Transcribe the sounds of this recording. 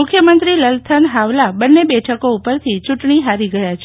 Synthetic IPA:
ʊkʰjəmənt̪ɾiləlt̪ʰənɦaʋlabənːebɛʈʰəkoupəɾt̪ʰit͡ʃuʈɳiɦaɾiɡəjat͡ʃʰe

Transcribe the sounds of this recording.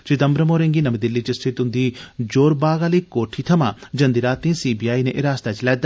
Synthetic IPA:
t͡ʃid̪ɐmbɾɐmoːɾẽŋɡiːnɐmid̪ɪlːit͡ʃɐst̪ʰɪt̪ʊnd̪iːd͡ʒoːɾbaːɡaːliːkoːʈʰiːt̪ʰɐmãːd͡ʒɐ̃nd̪iɾaːt̪ĩːsiːbiːjaːinẽʔɪɾaːst̪at͡ʃɐlɛːd̪a

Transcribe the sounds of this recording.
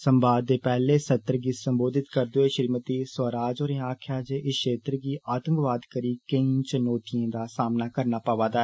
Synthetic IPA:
səmbaːd̪ːeːpɛːleːsət̪ːɾɡiːsəmboːd̪ɪt̪kəɾd̪oːeːʃɾiːmət̪iːsəɾaːd͡ʒoːɾiaːkʰjaːd͡ʒeːʔɪʃeːt̪ɾɡiːʔaːt̪ə̃ŋɡʋaːd̪kəɾiːkəĩt͡ʃənoːʈijãːd̪aːsaːmnaːkəɾnaːpaːʋaːd̪aɛː

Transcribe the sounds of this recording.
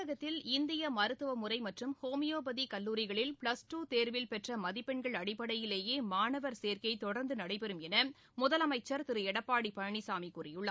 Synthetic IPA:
ɐɣɐt̪ːɪlɪnd̪ɪjɐmɐɾɯt̪ːɯʋɐmʊrɐɪmɐʈrɯmhoːmɪjoːbɐðikɐlːuːɾɪɣɐɭɪlpɭɐsʈuːt̪eːɾʋɪlpɛʈrɐmɐðɪpːɛɳɡɐɭɐɽɪpːɐɽɐjɪleːjeːmaːɳɐʋɐɾseːɾkɐɪt̪ɔɽɐɾnd̪ɯnɐɽɐɪpɛɾɯmɛnɐ | mʊðɐlɐmɐɪt͡ʃːɐɾt̪ɪɾɯɛɽɐpːaːɽipɐɻɐɳisaːmikuːrɪjʊɭːɐ

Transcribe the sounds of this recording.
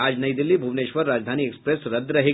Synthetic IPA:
aːd͡ʒnɐjd̪ilːiːbʱuʋneʃʋəɾːaːd͡ʒd̪ʱaniːekspɾesɾɐd̪ɾɐɦe

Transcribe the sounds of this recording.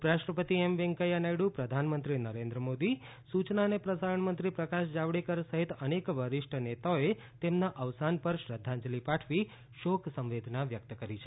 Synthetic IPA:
pɾaʃʈɾəpət̪iemʋẽŋkəjanajɽupɾəd̪ʱanmənt̪ɾinəɾẽnd̪ɾəmod̪i | sut͡ʃnanepɾəsaɾəɳmənt̪ɾipɾəkaʃd͡ʒaʋɽikəɾsəɦit̪ənekʋəɾɪʃʈʰənet̪aoe | t̪emnaʔəʋsanpəɾʃɾəd̪ʱːãɲd͡ʒlipaʈʰʋi | ʃoksə̃mʋed̪ʱnaʋjək̚t̪əkəɾit͡ʃʰe

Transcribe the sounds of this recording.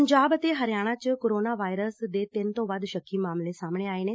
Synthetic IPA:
ɲd͡ʒaːbət̪eɦəɾɪjaːɽ̃ãːt͡ʃkoːɾoːnaːʋaːɪɾəsd̪eːt̪ɪnt̪õːʋəd̪ʃəkʰːiːmaːmlẽsaːmɳ̃eːaːeːneː

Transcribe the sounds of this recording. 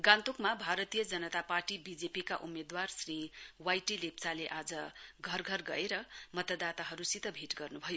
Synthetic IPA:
ɡãnt̪ukmabʱaɾʌt̪ijʌd͡zʌnʌt̪aparʈibid͡zepikaʔumːed̪warsriwajʈilep̚t͡saleʔad͡zʌɡʱʌrɡʱʌrɡʌ̰eɾʌmʌt̪ʌd̪at̪aɦʌɾusit̪ʌbʱiʈɡʌrnubʱʌjo

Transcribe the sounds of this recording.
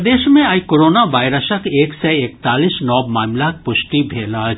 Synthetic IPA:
d̪eːʃmẽajkoɾoːnaʋaːɪɾəsəkeːksɛekt̪aːlisnɔːbmaːmlak̚pʊʃʈibʱeːlaː

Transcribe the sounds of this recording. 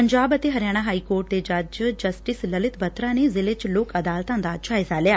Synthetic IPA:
pəɲd͡ʒaːbət̪eːɦəɾjaːɽ̃aːɦaːiːkoːɾʈ̚d̪eːd͡ʒad͡ʒd͡ʒəsʈɪsləlɪt̪bət̪ɾãːneːzɪlet͡ʃloːkəd̪aːlt̪ãːnd̪aːd͡ʒaːɪzaːlɪaː

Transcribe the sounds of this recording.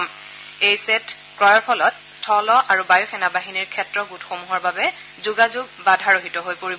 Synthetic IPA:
m | ejset | kɹɔjɔɹpʰɔlɔt | stʰɔlɔʔaɹubajɔxʰɛnabaɦiniɹkʰɛtɹɔɡutxomuɦɔɹbabɛ | zuɡazuɡ̚badʱaɹoɦitɔɦojpoɹib

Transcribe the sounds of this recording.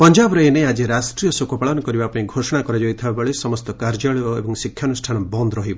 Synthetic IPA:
pɔnd͡ʒabɾɔenead͡ʒiɾasʈɾijɔsokɔpaɭɔnɔkɔɾibapɔɽiɡʱosɔɽ̃akɔɾad͡ʒɔjt̪ʰibabɔɭesɔmɔst̪ɔkaɾd͡ʒaɭioḛbɔŋsikʰjanusʈʰanɔbɔnd̪ɔɾɔɦibɔ

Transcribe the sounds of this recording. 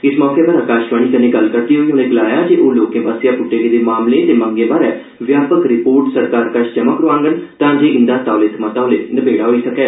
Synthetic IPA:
ɪsmɔːkeːbaːɾaːkaːʃʋaːɽ̃iːk̪ənẽːɡəlkəɾd̪iːɦoːiõːnẽːɡəlaːjaːd͡ʒeːʔoːloːkẽːbaːsijaːpʊʈːeːkeːd̪eːmaːmleːt̪eːməŋɡẽːbaːɾɛː | ʋjaːpəkɾɪpoːɾʈsəɾkaːɾkaʃt͡ʃəməkɾoʋãːŋɡənt̪ãːd͡ʒeːɪ̃nd̪aːt̪aːlɪt̪mət̪ãɦoleːnəbeːɽaːɦoːiːsəkɛː

